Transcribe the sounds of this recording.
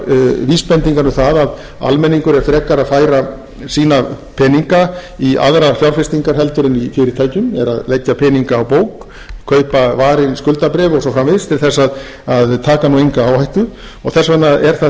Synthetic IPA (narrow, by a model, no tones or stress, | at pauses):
viːspɛnt̪iŋkaɾnʏmθaðað | a̰lmɛnːiŋkʏɾɛɾ̥fɾɛːkaɾaðfaːjɾa | siːnapʰɛniŋkaia̰ðɾafjawɾfɪst̪iŋkaɾ̥ɦɛlt̪ʏɾɪnifɪːɾɪt̪ʰaːjcʏmɛɾa̰ðlecːapʰɛːniŋkaːwpoːwkʰː | œːɥpavaːɾɪnskʏlt̪apɾɛːvɔɣsɔfɾamvɪðst̪ʰɪlθɛsːað | aðt̪ʰaːkanuejŋkaawhajht̪ʏɾ̥ | ɔɣθɛsvat̪naɛɾ̥θa